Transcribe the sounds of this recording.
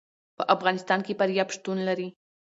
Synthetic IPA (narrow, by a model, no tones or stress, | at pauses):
pəʔafɣɑnɪst̪ɑnkepaɾjɑpʃt̪unlaɾi